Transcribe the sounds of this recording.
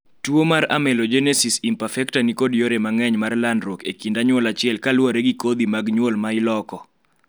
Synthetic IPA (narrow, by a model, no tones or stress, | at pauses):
twomaɾa̰mɛlod͡ʒɛnɛsisimpafɛktanikodjoɾemaŋɛɲmarlandɾokekindaɲwɔlat͡ʃɪɛlkalwaɾeɡikod̪imaɡɲwolmaɪlɔkɔ